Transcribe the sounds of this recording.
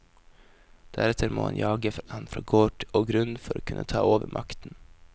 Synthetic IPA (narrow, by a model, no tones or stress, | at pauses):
d̪̥æɾɛt̪ʰəɾmo̰ːhɑ̰njɑːɡəfɑnfɾɑːɡoːʈoːɡɾʉnfɔɾoːkʰʉnʔət̪ʰɑːoːʋəɾmʔɑkt̪n